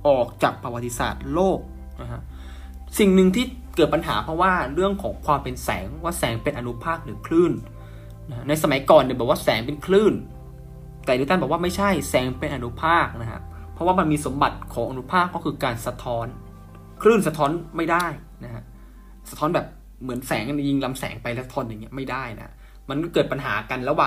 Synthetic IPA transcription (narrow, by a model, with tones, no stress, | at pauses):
ʔɔː˨˩k̚t͡ɕaː˨˩k̚pɾa˧wa˨˩t̪ʰːi˧sa̰ː˨˩t̪̚loː˥˩k̚ | na˦˥kʰa˦˥ʔ | si˨˩ŋnɯ˨˧ŋt̪ʰiː˥˩ | kɤː˨˩t̪̚pa˧nɦaː˩˦pʰɾɔ˦˥waː˥˩ɾɯ˥˩əŋkʰɔː˩˦ŋkʰwaː˧mpe˧nsɛ̰ː˩˦ŋwaː˥˩sɛː˩˦ŋpe˧nʔa˧nu˦˥pʰaː˥˩k̚lɯ˨˩˦kʰlɯː˥˩n | na˦˥kʰa˦˥na˧jsa˧ma˩˦jkɔː˨˩nː˨˩bɛː˨˩p̚waː˥˩sɛː˩˦ŋpe˧nkʰlɯː˥˩n | t̪ɛː˨˩nɯ˧˥˦t̪a˥˩bɛː˨˩waː˥˩ma˥˩jt͡ɕʰa˥˩jsɛː˩˦ŋpe˧nʔa˧nu˦˥pʰaː˥˩k̚na˦˥kʰa̰˦˥ʔpʰɾɔ˦˥waː˥˩ma˧nmiː˧so˩˦mba˨˩t̪̚kʰɔː˩˦ʔa˧nu˦˥pʰaː˥˩kːɔː˥˩kʰɯː˧kaː˧nsa˧t̪ʰɔː˦˥n | kʰlɯː˥˩nsa˧t̪ʰɔː˦˥nma˥˩jdaː˥˩j | na˦˥kʰa˦˥ʔ | sa˧t̪ʰɔː˦˥nbɛː˨˩p̚ | mɯ˩˦ənsɛː˨˩˦ŋʔa˧˨ni˧˥˩ji˥˩ŋla˧msɛ̰ː˩˦ŋpa˧jlɛ˦˥˩sa˧t̪ʰɔː˧˥˩nja˨˩ŋːi˦˥ɐma˥˩jdaː˥˩jna̰˦ | ma˧nkɔ˥˩kɤː˨˩t̪̚pa˧nɦaː˩˦ka˧nlɛ˦˥waː˨˩